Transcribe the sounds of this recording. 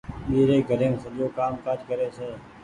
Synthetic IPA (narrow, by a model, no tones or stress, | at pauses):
ɓiːɾeːɡʱəɾẽːmsəoːkaːmkat͡ʃkəɾeːseː